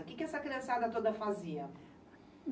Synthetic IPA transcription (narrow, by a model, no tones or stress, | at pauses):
ukɪkɪɛsɐkɾiɐ̃sad̪ɐt̪od̪ɐfaziɐ | n